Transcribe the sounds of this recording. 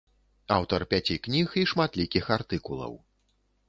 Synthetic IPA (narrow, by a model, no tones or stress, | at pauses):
a̰wt̪ɐrpʲat͡sʲiknʲixiʂmat̪lʲikʲixart̪ɨkulˠɐ̰w